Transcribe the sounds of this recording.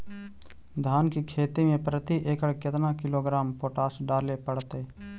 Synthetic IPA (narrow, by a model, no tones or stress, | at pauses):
d̪ʱaːnkikʰeːt̪imẽpɾət̪iʔeːkəɽkɪt̪nakɪloɡɾaːmpoːʈaːsɖaːlepəɽt̪e